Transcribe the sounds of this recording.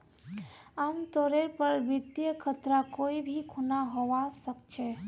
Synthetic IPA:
amt̪oɾeɾpəɾbid̪jəkʰət̪ɾakoibʱikʰunaɦoʋasəkt͡ʃʰɛ

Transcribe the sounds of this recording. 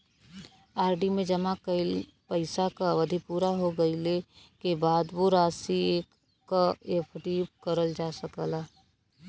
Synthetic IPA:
aːɾɖimẽd͡ʒəmakəɪl | pəɪsakaʋəd̪ʱipuːɾaɦoɡəɪlekebaːd̪boɾaːsieːkː | aepʰʈiːbkəɾəld͡ʒaːsəkəla

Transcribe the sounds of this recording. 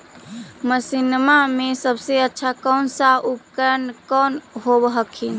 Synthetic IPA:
məsinmamẽsəbseətːʃʰakɔːnsaʔupkəɾənkɔːnɦobəɦəkʰin

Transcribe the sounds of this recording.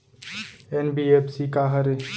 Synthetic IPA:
enbiepʰsikaɦɐɾe

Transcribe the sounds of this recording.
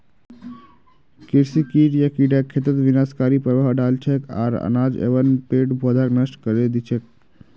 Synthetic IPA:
kiɾsikiʈjakiɖakʰːet̪ət̪ʋinaskaɾipɾəʋaɦɖalt͡ʃʰeka̰ːɾə̰naːd͡ʒḛʋənpeːʈbʱod̪ʱaknəʃʈkəɾed̪it͡ʃʰek̚

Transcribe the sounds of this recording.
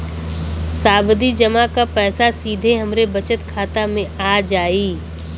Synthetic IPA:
saːbd̪id͡ʒɐmakapɛːsasiːd̪ʱeɦɐmɾebɐt͡ʃət̪kʰaːt̪amẽaːd͡ʒaːiː

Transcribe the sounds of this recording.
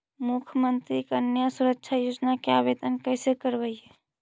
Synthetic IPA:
mukʰəmənt̪ɾikənjəsuɾəkʃʰajoːd͡ʒnakeabed̪ənkəsekəɾbəiɦɛ

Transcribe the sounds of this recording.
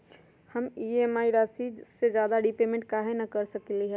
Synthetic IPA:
həmiemaːiɾaːsised͡ʒjaːd̪aɖipeːmẽɳʈ̚kaɦenakəɾsəkliɦɛ

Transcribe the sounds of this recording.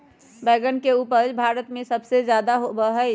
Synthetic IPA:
bɛɡənkeupəɾbʱaɾət̪mẽsəbsed͡ʒjad̪aɦobəɦəɪ

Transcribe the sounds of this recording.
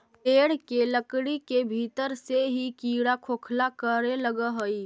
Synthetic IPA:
peːɽkeləkɽikebʱit̪əɾseɦikiːɽakʰoːkʰlakəɾeləɡəɦəi

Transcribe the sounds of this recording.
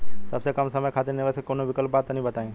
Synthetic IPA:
t̪ɐbsekɐmsɐməjkʰaːt̪enɪʋəsekoːnõʋɪkəlp̚baːt̪ːnɐɦĩbɐt̪aːẽ

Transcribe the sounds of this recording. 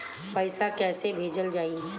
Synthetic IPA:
pəɪsakɛːsebʱeːd͡ʒəld͡ʒaːiɦ

